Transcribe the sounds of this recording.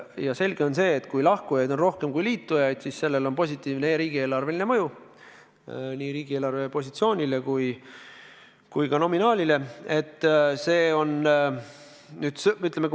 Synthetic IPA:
jɑse̞lʲɡ̥e̞o̞nse̞ːt̪ːˑkujlɑhkujɑjd̪o̞nro̞hke̞mkujliːt̪ːujɑjd̪̥sisse̞lːe̞lo̞npo̞sʲit̪ːˑiːvneɾiːɡ̥ieːlɑrve̞line̞mɤju | niːɾiːɡ̥ie̞ːlɑrvepo̞s̬ʲit̪sio̞ːnʲile̞kuj | kujkɑno̞minɑːlʲile̞e̞t̪ːse̞ːo̞n | nyːd̪̥syt̪lemek

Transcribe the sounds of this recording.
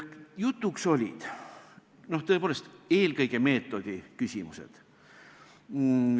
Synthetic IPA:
jut̪ːˑukso̞lʲḭd̪̥ | no̞ht̪ɤ̞e̞poːlest̪e̞ːlkɤjɡ̥e̞me̞ːt̪ːˑo̞d̪̥ikysʲimuse̞̰d̪̥

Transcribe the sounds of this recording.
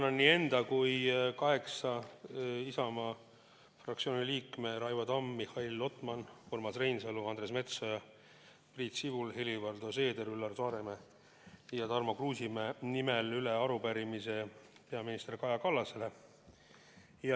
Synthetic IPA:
nɑnːiːe̞nd̪̥ɑkujkɑɦe̞ksɑ | isɑmɑ | frɑkt̪sio̞ːnʲiliːkme̞ɾɑjvɑd̪ɑmːihɑilːo̞t̪ˑmɑnhormɑsrejnseluɑnd̪ɾe̞s̬me̞t̪sojɑ | priːt̪sivulhelivɑrd̪̥o̞se̞ːd̪e̞ɾylːɑrsɑːɾe̞me | jɑt̪ɑrmokruːsimenimelyleɑɾupæɾimise̞pe̞ɑminist̪erkɑjɑkɑlːɑse̞le̞ | jɑ

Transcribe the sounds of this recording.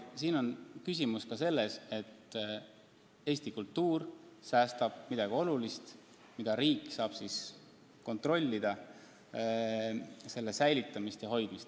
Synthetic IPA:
siːno̞nkysʲimuskɑse̞lːe̞se̞t̪ː | e̞ːsʲt̪ikult̪ːuːrsæːst̪ɑb̥̚mid̪ɑɡ̥io̞lulist̪ | mid̪̥ɑɾiːkːˑsɑːb̥sis | ko̞nt̪ro̞lʲːid̪̥ɑ | se̞lːesæjlit̪ːˑɑmist̪jɑɦo̞jd̪̥mist̪

